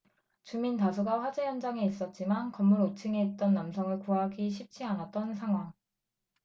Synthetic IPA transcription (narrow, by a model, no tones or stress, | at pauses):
t͡ɕumintas̬ʰuɡaɸwad͡ʑejʌnd͡ʑaŋeis͈ʌt̚t͡ɕ͈imankʌmːuɾot͡ɕʰɯŋeːt̚t͈ʌnːamsʰʌŋɯɭkuɦaɡiɕ̬ʰip̚t͡ɕ͈ʰianat̚t͈ʌnsʰaŋɦwaŋ